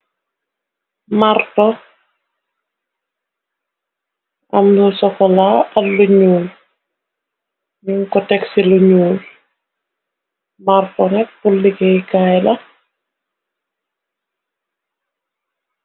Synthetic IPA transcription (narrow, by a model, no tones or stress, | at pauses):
martɔ | ʔɐmdusɔkɔlaːɐtluɲuːl | miŋkɔtɛksiluɲuːl | martɔnɛk̚pulːikɛjkaːjlɐ